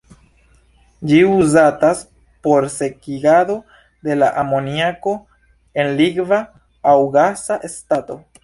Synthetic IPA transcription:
d͡ʒiuzatas | po̞ɾse̞kiɡado | de̞laʔamo̞niako̞ | e̞nliɡva | awɡasaʔe̞stato̞

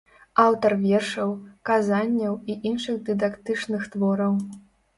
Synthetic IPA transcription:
awt̪ɐrvʲɛrʂɐwkazanʲːɐwiʔinʂɨɣd̪ɨd̪akt̪ɨt͡ʂnɨxt̪vɔɾɐw

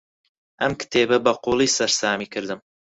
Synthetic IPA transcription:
ʔɐmkɨ̥t̪ʰeːbɐbɐquːlˠiːsɐɾsaːmiːkʰɨɾd̪ɨm

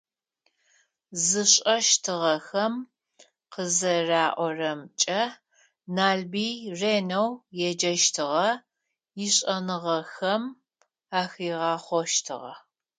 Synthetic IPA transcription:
zɨɕʼɐʃtʰɨʁɐxɐm | qəzɐraːʔʷɔrɐmt͡ʃʼɐ | naːlbiːreːnɐwjɛd͡ʒɐʃtʰɨʁɐ | jɪɕʼɐnɨʁɐxɐm | aːxiːʁɑːχʷɔʃtʰɨ̰ʁɐ̰

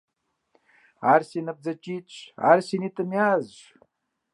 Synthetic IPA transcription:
aɾsinɐp̚d͡zɐt͡ʃit͡ɕʰa̰ɾsinit̪ɐmjaːzʒ

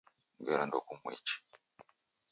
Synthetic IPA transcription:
ɡeɾando̰kumwḛt͡ʃi̥

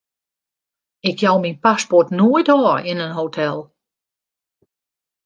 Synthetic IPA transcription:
ɪkjɔwminpaspɔtnoəjdɔːɪnənɦoːtʰɛlˠ

